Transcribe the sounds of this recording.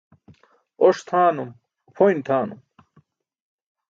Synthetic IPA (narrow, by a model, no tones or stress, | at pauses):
oʂt̪ʰaːnum | pʰojnt̪ʰaːnṵm